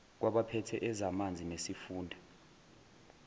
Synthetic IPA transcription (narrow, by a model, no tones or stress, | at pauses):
k̬waɓapʰɛtʰɛʔɛzamand͡zʱinesifuːndʱa